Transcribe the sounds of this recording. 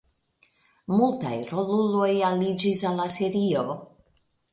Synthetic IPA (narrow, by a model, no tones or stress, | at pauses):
multa̰jɾolulo̞jalid͡ʒisalːaseɾio